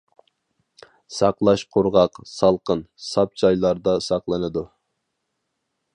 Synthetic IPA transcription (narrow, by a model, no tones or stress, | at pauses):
sɑqlˠɑʃqʰoɾʁɑqsɑlˠqənsɑp̚t͡ʃʰɑjlˠɑɾd̪ɑsɑqlˠɨnɨd̪u